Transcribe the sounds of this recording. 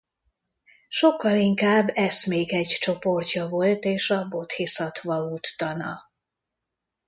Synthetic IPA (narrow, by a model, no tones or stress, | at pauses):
ʃo̞kːɒliŋkaːbːɛsmeːkɛɟt͡ʃo̞po̞rcɒvo̞lt̪eːʃɒbo̞t̪hisɒt̪ʋvɒluːt̪ːɒnɒ